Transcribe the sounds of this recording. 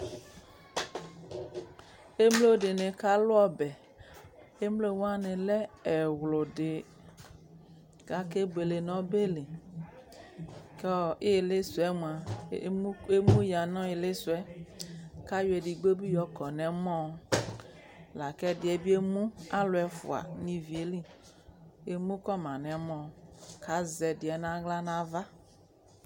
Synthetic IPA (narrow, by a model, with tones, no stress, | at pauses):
e˦mlo˦˨de˨nẽ˨ka˦lo˦ɔ˦bɛ˨ | e˦mle˦wo˦a˦nẽ˨lɛ˦ɛ˨wlo˨ɖe˨ | ɡa˦ke˦be˨le˨nɔ̃˦be˦le˨ | ke˦e˨le˦su˨ɛ˦mũ˨a˨˦ | e˦mũ˦ja˨nɔ̃˦e˨le˦su˨ɛ˦ | ka˦jo˨˦e˨di˨ɡ͡be˦bi˦jɔ˨˦kɔ˨nɛ̃˨mɔ̃˦ | la˨kɛ˦dɪ˨ɛ˨bi˦e˦mũ˦a˦lʊ˨ɛ˨fṵ˨a̰˨nĩ˨vi˨e˨li˦ | e˨mũ˦kɔ˦mã˨nɛ̃˨˦mɔ̃˦˨ka˨˦zɛ˨dɪ˨ɛ˨nã˦ɡla˦nã˦va˦